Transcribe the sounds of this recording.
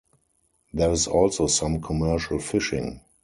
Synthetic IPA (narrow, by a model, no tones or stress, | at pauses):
ðɛɹɪzɔlsosãmkʰɔmɜʃəlfɪʃɪ̰̃ŋ